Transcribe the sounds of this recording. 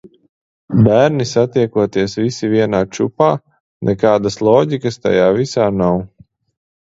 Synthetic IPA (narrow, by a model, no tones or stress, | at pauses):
bæːɾnisat̪iɛkuɔt̪iɛsvisiviɛnaːt͡ʃṵpaː | nʔɛkaːd̪aslˠɔːɟikɐst̪a̰jaːvisaːnaw